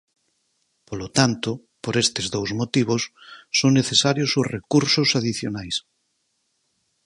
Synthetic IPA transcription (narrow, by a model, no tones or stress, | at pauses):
polot̪ant̪o | poɾest̪ezðowzmot̪iβ̞osːoŋneθesaɾjosozrekuɾsosaðiθjonajs